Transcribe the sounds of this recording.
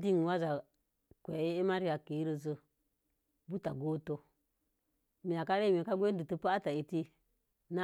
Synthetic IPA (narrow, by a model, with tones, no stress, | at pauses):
di˦ŋ˨wa˦za˨ | kʷe˨˦e˦ma˦ɾi˦ja˨ke˨i˦ɾə˧zə˨ | bu˦ta˨ɡo˦to˨ | mi˨ja˨ka˦ɾe˦m˨e˨ka˦ɡʷe˦dɨ˨tɨ˦pa˦a˦ta˨i˨ti˦ | na˦